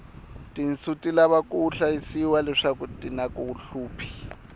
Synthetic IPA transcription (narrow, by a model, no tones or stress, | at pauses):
tʼin̩sutʼilaβakʼuɬaisiwalɛʂakʼutʼinakʼuuɬuːpʰi̥